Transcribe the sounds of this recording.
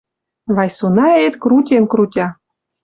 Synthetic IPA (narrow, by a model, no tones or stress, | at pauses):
βɑjsunɑet̪kɾutʲemkɾutʲɑ